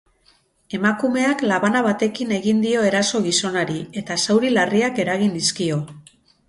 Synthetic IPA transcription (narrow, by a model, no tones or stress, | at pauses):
e̞makume̞aklaβanaβat̪e̞kine̞ɣind̪io̞e̞ɾaso̞ɣ̞iso̞naɾie̞t̪asawɾilariake̞ɾaɣiniskio̞